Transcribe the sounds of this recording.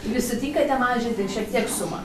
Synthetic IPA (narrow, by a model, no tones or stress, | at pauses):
ʋʲɪsʲɪt̪ʲiːŋkɐt̪ʲɛmɑːʒʲɪnt̪ʲɪʃʲɛk̚t̪ʲiɛksʊmɐ̰